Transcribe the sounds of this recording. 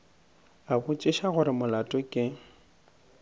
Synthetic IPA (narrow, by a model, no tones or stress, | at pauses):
abʊt͡ʃʼɪʃaɣʊɾɪmʊlatʼɔkʼɪ